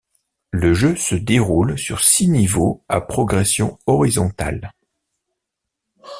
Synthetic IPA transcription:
ləʒøsəd̪eʁulsyʁsinivoa̰pχɔɡʁɛsjɔ̃ɔʁizɔ̃t̪a̰l

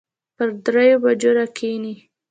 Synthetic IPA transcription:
pəɾd̪ɾejobad͡ʒoɾakʰeni

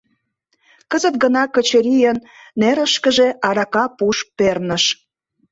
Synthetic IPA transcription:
kəzə̆t̪̚ɡənɑkə̆t͡ɕəɾijənː | eɾə̆ʃkəʒeʔɑɾɑkɑpuʃpernəʃ

